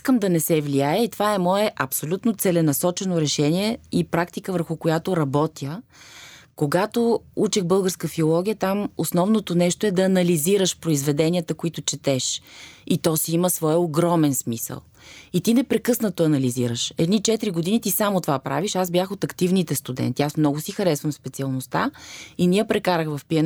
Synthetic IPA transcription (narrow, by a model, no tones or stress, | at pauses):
iskəmd̪ɐnɛsɛvliajəit̪ovaɛmɔɛʔɐpsolʲut̪not̪sɛlɛnɐsɔt͡ʃɛnoɾɛʃɛniɛipɾakt̪ikəvəɾxʊkojat̪oɾɐbɔt̪jə | koɡat̪out͡ʃɛxbɤlˠɡəɾskəfiolˠɔɡʲijət̪amosnɔvnot̪onɛʃt̪oɛd̪ɐːnɐliziɾəʃpɾoizvɛd̪ɛnʲiət̪əkoit̪ʊt͡ʃɛt̪ɛʃit̪ɔsiiməsvɔjoɡɾɔmɛnsmisə̰lˠ | it̪inɛpɾɛkɤsnət̪oɐnɐliziɾəʃɛd̪nit͡ʃɛt̪ɾiɡod̪init̪isamot̪ovapɾʔa̰viʃazblʲjaxot̪ɐkt̪ivnit̪ɛst̪ud̪ɛ̰nt̪iasmnɔɡʊsixɐɾɛsvəmspɛt̪siɐlˠnʊst̪a̰iniəpɾɛkaɾəxvɐfpiən